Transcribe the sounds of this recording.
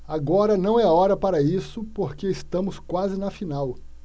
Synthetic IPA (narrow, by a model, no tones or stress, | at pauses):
aɡɔɾɐnɐ̃w̃ɛaɔɾɐpaɾɐisʊpoɾkeɪst̪ɐ̃mʊskwazɪnɐfinaw